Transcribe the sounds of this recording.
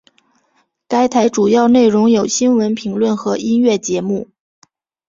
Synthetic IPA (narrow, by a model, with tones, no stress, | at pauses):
ka˥ɪt̪ʰa˧˥ɪʈ͡ʂu˨˩jɑ˥˧ʊne˥˩ɪɻʊ˧˥ŋjo˨˩ʊɕi˥nwə˧˥npʰi˧˥ŋlwə˥˩nxɤ˧˥i˥nɥɛ˥˩t͡ɕjɛ˧˥mu˥˩